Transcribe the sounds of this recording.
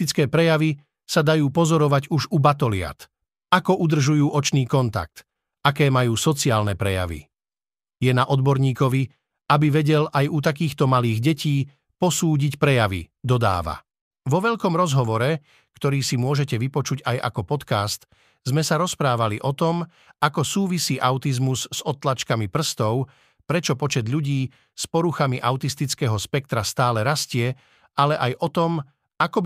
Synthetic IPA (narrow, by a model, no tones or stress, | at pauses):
it͡skɛːpɾɛjaʋi | sad̪ajuːpɔzɔɾɔʋaɟuʒubat̪ɔlɪa̰t̪ | akɔʔud̪r̩ʒujuːʔɔt͡ʃniːkɔnt̪a̰k̚t̪ | akɛːmajuːsɔt͡siaːlnɛpɾɛja̰ʋḭ | jɛnaʔɔd̪bɔɾɲiːkɔʋi | abiʋɛɟɛlajut̪̬ak̬iːxt̪ɔmaliːɣɟɛciː | pɔsuːɟicpɾɛjaʋḭd̪ɔd̪a̰ːʋa̰ | ʋɔʋɛʎkɔmɾɔzɦɔʋɔɾɛ | kt̪ɔɾiːsimʊɔʒɛcɛʋipɔt͡ʃuɟajʔa̰kɔpɔt̪kast̪ | zmɛsaɾɔspɾaːʋaliʔɔt̪ɔm | akɔsuːʋisiːʔaʊt̪izmuzz̥ɔt̪lat͡ʃkamipr̩st̪ɔʊ | pɾɛt͡ʃɔpɔt͡ʃɛd̪ʎuɟiː | spɔɾuxamiʔaʊt̪ist̪it͡skɛːɦɔspɛk̚t̪ɾast̪aːlɛɾascɪɛ | alɛʔajʔɔt̪ɔm | akɔ